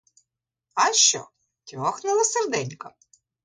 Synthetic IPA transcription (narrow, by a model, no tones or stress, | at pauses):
ɑʃt͡ʃɔ̰ | tʲɔxnɪlˠɐserd̪ɛnʲkɐ